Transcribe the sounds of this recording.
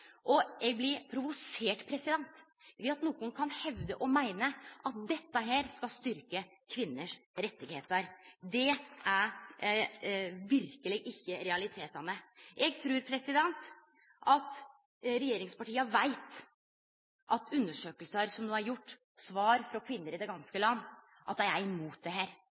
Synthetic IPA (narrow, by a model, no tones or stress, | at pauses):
ʔɔɛɡ̚blɪɾpʰɾʊʋʊseːʈpʰɾɛsɪd̪ɛnt̪ | ʋɪɑt̪nuːɡʊnkʰɑnhɛʋd̪əʔɔmæɪnəʔɑt̪̚d̪ɛt̪ːəɦæːɾskɑlst̪ʏɾkə | kʰʋɪnːəʂɾɛt̪ːɪɡheːt̪əɾd̪ɛæɾ | ʋɪɾkəlɪɡɪçːəɾɛɑlɪt̪ʰeːt̪ɑnəʔɛɡt̪ʰɾʉːɾpʰɾɛsɪd̪ɛnt̪ | ʔɑt̪ | ɾɛjeːɾɪŋspɑʈiːəʋæɪt̪ | ʔɑt̪ʰʉnːəʂøːkəlsəɾsɔmnoːæɾjʊʈː | sʋɑːɾfɾɔkʰʋɪnːəɾɪd̪ɛɡɑnskəlɑnː | ʔɑt̪̚d̪æɪæɾɪmuːt̪̚d̪ɛɦæːɾ